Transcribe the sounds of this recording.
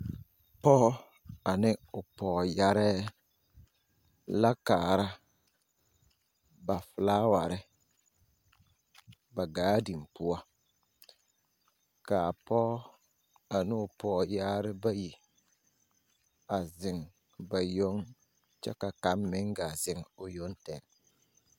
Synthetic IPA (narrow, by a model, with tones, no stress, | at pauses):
pɔ˦ | a˨nɪ˦ʊ˨pɔː˨ja˦ɾɛ˦ | la˦kaː˨ɾa˦ | ba˨fɪ˨laː˦wa˨ɾɪ˦ | ba˨ɡaː˦di˨m˨pʊ˦a˦ | ka˨pɔ˦ | a˨nʊ˦˨pɔː˨jaː˦ɾɪ˦ba˦ji˨ | a˨zɪ˨ŋ | ba˨jo˦ŋ | t͡ʃɛ̰˦ka˨ka˨˦mmɪ˦ŋɡa˨zɪ˨ŋʊ˨jo˦ntɛ˨ŋ